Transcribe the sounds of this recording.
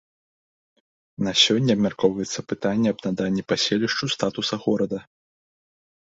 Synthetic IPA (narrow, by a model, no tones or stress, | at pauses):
nɐsʲɔnʲːɛɐbmʲarkɔwvɐjɛt̪sːɐpɨt̪anʲːɛɐbnad̪anʲːipasʲelʲiʂt͡ʂust̪at̪usɐɣɔɾɐd̪ɐ